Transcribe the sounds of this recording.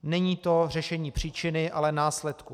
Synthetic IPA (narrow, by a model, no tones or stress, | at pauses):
nɛɲiːt̪o̞r̝ɛʃɛɲiːpr̝̥iːt͡ʃɪnɪʔalɛnaːslɛt̪ku